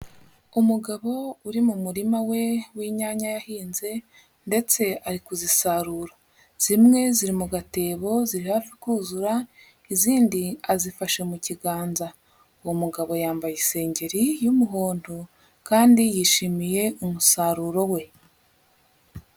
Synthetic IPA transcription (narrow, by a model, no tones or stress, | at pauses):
umuɡaβo̞uɾimumuɾimawe̞wiːɲaːɲajahiːnze̞ | nde̞t͡se̞aɾikuzisaɾuːɾo | z̥imŋe̞ziɾimuɡate̞ːβo̞ziɾihaːfikuːzuɾa | iziːndiazifaʃemuciɡaːnza | womuɡaβo̞jaːmbajise̞ːɲɟe̞ɾijumuɦoːndu | kaːndijiːʃimije̞umusaɾuːɾo̞we̞